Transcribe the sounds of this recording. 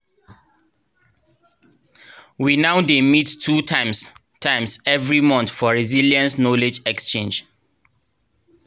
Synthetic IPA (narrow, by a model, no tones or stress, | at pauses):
winaʊdemitʰːutʰãɪ̃ms | tʰãɪ̃msɛvɹimɔ̃nθfɔɹiziljiə̃nsnɔled͡ʒɛkst͡ʃẽnd͡ʒ